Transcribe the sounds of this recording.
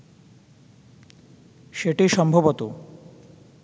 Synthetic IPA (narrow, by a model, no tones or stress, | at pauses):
ʃeʈiʃɔmbʱobot̪o